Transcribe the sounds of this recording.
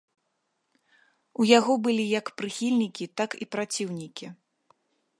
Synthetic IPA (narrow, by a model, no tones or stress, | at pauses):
ujaɣɔbɨlʲijɐkpɾɨxʲilʲnʲikʲit̪akipɾat͡sʲiwnʲikʲi